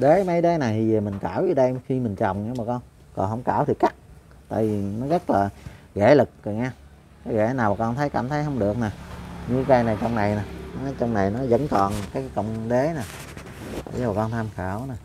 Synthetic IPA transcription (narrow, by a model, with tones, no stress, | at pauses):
ɗe˨˦mə˨˦jɗe˨˦na˨˩jt̪ʰi˨˩ə˨˩mï˨˩ŋ̟kaː˧˩wzɨ˨˩ɗə˧jxi˧mï˨˩ŋ̟t͡ɕɔ̰˨˩wŋ͡mɲa˧˦maː˨˩kɔ˧n | kɔ̰˨˩nhɦə˧˥wŋ͡mkaː˧˩wt̪ʰi˨˩ka˦˥k̚ | t̪a̰ː˧˨jvi˨˩nɔ˨˦ɣə˦˥t̚laː˨˩ɣḛ˧˩lɨ˨˩k̚zə˨˩ŋaː˧ | kaː˨˦ɣɛ̰˧˩naː˨˩wmaː˨˩kɔ˧nt̪ʰə˨˦jkaː˧˩˦mt̪ʰə˨˦jɦə˧wŋ͡mɗɨ˨˩ək̚naː˨˩ɲɨ˧ka˧jnaː˨˩jt͡ɕɔ˧wŋ͡mna˨˩jnaː˨˩n˨˦t͡ɕɔ˧wŋ͡mna˨˩jnɔ˨˦zə̰˧˥nkɔ˨˩nkaː˨˦kkə˧wŋ͡mɗe˨˦na̰ː˨˩˧ | zə˨˦a˨˩kɔ˧nt̪ʰaː˧mxaː˧˩wna˨˩